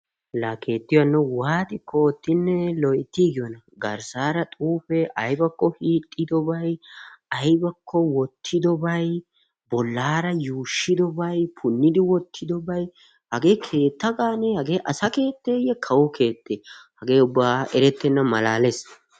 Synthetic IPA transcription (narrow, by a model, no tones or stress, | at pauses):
lake̞ːt̪ːɪjwɐnːɛwaːt̪ʼɪkoːt̪ːɪnːɛlɔjɪt̪ːiːɡɪjɔnɐ | ɡɐɾsaːɾɐt̪ʼuːfɛʔɐjbɐkːɔhiːt̪ʼːɪd̪ɔbɐjɐjbɐkʰːɔwɔt̪ʰːɪd̪ɔbɐj | bɔlːaːɾɐjuːʃːɪd̪ɔbɐjpʰʊnːɪd̪ɪwɔt̪ʰːɪd̪ɔbɐj | hɐɡe̞ːkʰe̞ːt̪ːɐɡaːnɛhɐɡe̞ːʔɐsɐke̞ːt̪ːeːjɛkʰɐwɔkʰe̞ːt̪ːehɐɡe̞ːʊbːaːʔɛɾɛt̪ːɛnːɐmɐlaːlɛs